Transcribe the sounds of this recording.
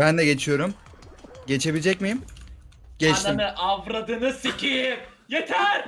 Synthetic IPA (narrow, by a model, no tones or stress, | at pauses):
bænd̪ɛɟe̞t͡ʃʰijo̞ɾum | ɟe̞t͡ʃʰe̞bilʲd͡ʒɛcmijim | ɟ̥ɛt͡ʃnt̪anɯʔavɾad̪ɯnɯsicʰijɪ | jet̪ʰæɾ̥